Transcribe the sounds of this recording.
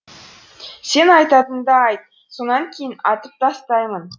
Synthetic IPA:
se̞nɑjt̪ɑt̪ənd̪ɑɑjt̪̚ | sonɑŋkʲʰe̞jɪnɑt̪əp̚t̪ʰɑst̪ɑjmən

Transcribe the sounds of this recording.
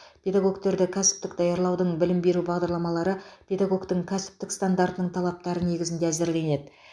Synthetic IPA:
pʰʲe̞d̪aɡo̞kt̪e̞ɾd̪ɪkʲʰæsɪ̥pt̪ɪk̚d̪ɑjɑɾlˠɑwd̪əɴbɪlɪmbe̞ɾubɑʁd̪ɑɾlˠɑmɑlˠɑɾəpʲʰe̞d̪aɡo̞kt̪əŋkʲʰæsɪ̥p̚t̪ɪkst̪and̪aɾt̪ənəɴt̪ʰɑlˠɑp̚t̪ɑɾəne̞ɡʲɪzɪnd̪eæzɪɾle̞ne̞d̪ɪ

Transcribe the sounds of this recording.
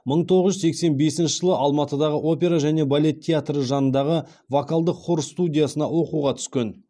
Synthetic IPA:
məɴt̪ʰo̞ʁəʒʏsekse̞nbe̞sɪnʃəʒəlˠəʔɑlˠmɑt̪əd̪ɑʁəʔo̞pʲe̞ɾaʒæne̞balʲe̞t̪ʲʰːeat̪rəʒɑnənd̪ɑʁə | vokalˠd̪əqχʊɾst̪udʲijasənɑwo̞quʁɑt̪ʰʏ̥skʲen

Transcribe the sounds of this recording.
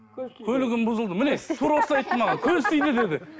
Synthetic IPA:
kʲʰɵlɪɡʲɪnbʊzəlˠd̪əmɪne̞t̪ʰuɾosɑjt̪ːəmɑʁɑkʲʰɵzt̪ijd̪ɪd̪e̞d̪ɪ

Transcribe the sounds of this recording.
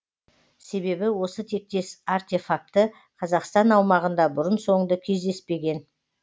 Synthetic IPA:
se̞βe̞bɪwo̞sət̪ʰe̞k̚t̪e̞sart̪e̞fak̚t̪ə | qʰɑzɑqst̪ɑnɑwmɑʁənd̪ɑbʊɾənso̞ɴd̪əkʲʰe̞zd̪e̞spe̞ɡʲe̞n

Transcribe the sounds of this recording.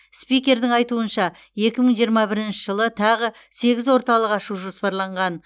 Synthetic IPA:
spijkʲe̞ɾd̪ɪŋɑjt̪uənʃɑ | je̞kʲɪməɴʒijəɾmɑbɪɾɪnʃɪ̥ʒəlˠət̪ʰɑʁə | se̞ɡʲɪzwo̞ɾt̪ɑlˠəqɑʃuʒospɑɾlˠɑɴʁɑn

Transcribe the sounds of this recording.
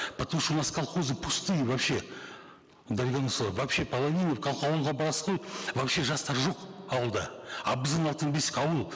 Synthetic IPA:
pʰat̪uʃunɑskɑlˠχozəpʰust̪ɨjvɑpʃe̞ | d̪alʲɡʲanəsvapʃe̞pʰɐlˠavʲijnofkʲʰɑlˠqɑwəlˠʁɑbɑɾɑsə̥ʁojvapʃe̞ʒɑst̪ɑɾʒo̞qɑwəlˠd̪ɑɑbəzənɑlˠt̪ənbesɪ̥kʲɑwəlˠ

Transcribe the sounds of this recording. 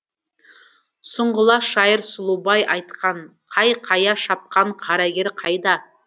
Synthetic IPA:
sʊɴʁʊlˠɑʃɑjəɾsʊlˠubɑjʔɑjt̪qɑɴqʰɑjqʰɑjɑʃɑp̚qɑɴqʰɑɾɑɡʲe̞ɾqʰɑjd̪ɑ

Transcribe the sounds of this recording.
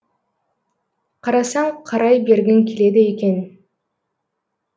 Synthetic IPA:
qʰɑɾɑsɑɴqʰɑɾɑjbe̞ɾɡʲeŋkʰʲele̞d̪ɪeke̞n

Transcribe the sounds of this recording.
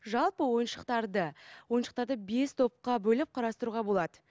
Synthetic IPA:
ʒɑlˠpəwo̞jənʃəqt̪ɑɾd̪əwo̞jənʃə̥qt̪ɑɾd̪əbe̞st̪ʰo̞p̚qɑbɵlɪp̚qʰɑɾɑst̪əɾuʁɑbo̞lˠɑd̪ə

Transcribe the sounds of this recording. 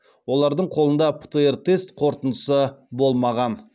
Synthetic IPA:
wo̞lˠɑɾd̪əɴqʰo̞lˠənd̪ɑpʰə̥t̪eert̪e̞st̪qʰo̞ɾt̪ənd̪əsəbo̞lˠmɑʁɑn

